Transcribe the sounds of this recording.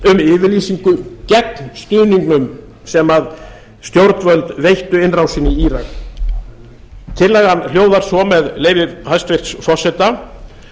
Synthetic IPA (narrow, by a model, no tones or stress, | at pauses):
ʏmɪːvɪliːsiŋkʏcɛknst̪ʏːniŋknʏm | sɛmað | st̪jowɾt̪vœlt̪vejht̪ʏɪnrawsɪniiːɾak | t̪ʰɪlːɛɣhanljoːwðaɾ̥sɔmɛðleːjvɪhajst̪vɪr̥t̪sfɔr̥sɛt̪a